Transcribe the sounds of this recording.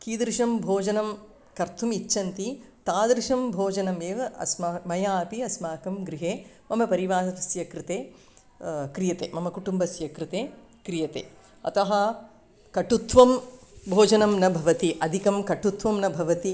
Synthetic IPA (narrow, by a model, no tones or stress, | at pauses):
kiːd̪ɾʂɐmbʱoːd͡ʒɐnɐm | kɐɾt̪ʰumit͡ʃːʃɐnt̪it̪aːd̪ɾɪʃɐmbʱoːd͡ʒɐnɐmeːʋɐʔɐ̰smamɐjaːpiɐsmaːkɐmɡɾiɦeː | mɐmɐpɐɾiʋaːɦɐɐsjɐkɾɪt̪eː | kɾijɐt̪eːmɐmɐkuʈumbɐsjɐkɾɪt̪eː | kɾijɐt̪ḛː | ɐ̰t̪ɐɦɐ̆ | kɐʈut̪ʋɐmbʱoːd͡ʒɐnɐmnɐbʱɐʋɐt̪iʔɐd̪ʱikɐmkɐʈut̪ʋɐmnɐbʱɐʋɐt̪i